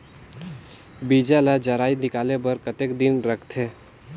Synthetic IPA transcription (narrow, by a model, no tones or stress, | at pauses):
bid͡ʒalad͡ʒəɾaːinɪkaːlebəɾkət̪ekd̪ɪnɾəkʰt̪ʰe